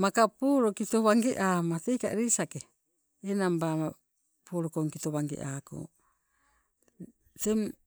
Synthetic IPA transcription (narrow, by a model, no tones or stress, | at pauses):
makapoːɾokito̞βaŋɡeʔamatejka̰ɾisakeː | nambama | poɾokoŋkitoβaŋɡḛʔako̰ | tem